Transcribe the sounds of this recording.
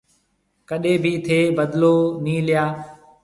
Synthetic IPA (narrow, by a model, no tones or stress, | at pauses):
kəɗeːbʱiːt̪ʰeːbəd̪loːniːlɪjaː